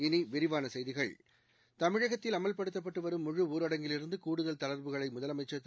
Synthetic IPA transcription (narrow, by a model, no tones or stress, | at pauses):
ɪniʋɪɾɪʋaːnɐsɛjðɪɣɐɭ | t̪ɐmɪɻɐɣɐt̪ːɪlɐmɐlpɐɽɯt̪ːɐp̬ːɐʈːɯʋɐɾɯmːʊɻɯuːɾɐɽɐŋɡɪlɪɾɯnd̪ɯkuːɽɯðɐlt̪ɐlɐɾbɯɣɐɭɐɪmʊðɐlɐmɐɪt͡ʃːɐt̪ː